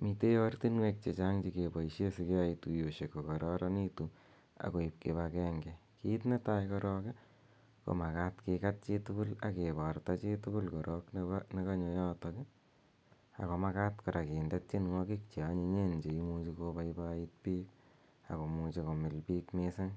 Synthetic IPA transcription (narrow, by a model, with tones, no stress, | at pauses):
mi˨te˦jɔ˦rti˦nwek̚t͡ʃe˨t͡ʃaŋd͡ʒi˨ke˨bɔ˨iʃe˦si˧ke˦a˦itujo˨ʃe˨kːo˨kɔ˨ɾɔɾa˦ni˦tu | a̰˨ko˨i˨p̚ke˨bakɛ˦ŋɡɛ˨ki˦t̬ne˦tajkɔ˧ɾɔ˦kɪ | ko̰˨ma˨katkɪ˧kat̚t͡ʃe˦tu˦kʊ˦la̰˨ke˨ba˨rta˦t͡ʃetu˦ku˦lkɔ˨ɾʔɔknne˦ka˦ɲo˨jɔ˦tɔkɪ˦ | a̰˨ko˨ma˦ka˦tkɔ˨ɾa˨kiː˨ndɛ˦t̚t͡ʃe˦nŋɔ˦kik̚t͡ʃe˨a˦ɲe˧ɲe˦nd͡ʒe˨imu˧t͡ʃi˧ko˦ba˦ibait̚piː˦k | a̰˨ko˨mu˧t͡ʃe˧ko˨mɪ˨lpiːkmese˦ŋ